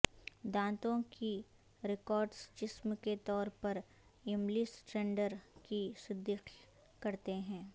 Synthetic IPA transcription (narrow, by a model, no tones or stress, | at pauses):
d̪ãːt̪õki | ɾɪkɔːɾɖst͡ʃɪsmket̪ɔːɾpɐɾ | ɪmlisʈɾẽɳɖəɾkisɪd̪ːik | kɐɾt̪eɦɛ̃ː